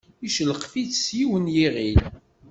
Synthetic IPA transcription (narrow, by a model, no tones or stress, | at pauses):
iʃələqfiθsjiwənjiʁil